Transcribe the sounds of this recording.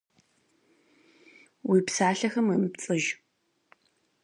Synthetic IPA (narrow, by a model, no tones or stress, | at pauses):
wiːpsaːɬɐxɐməmpt͡sʼɨʒ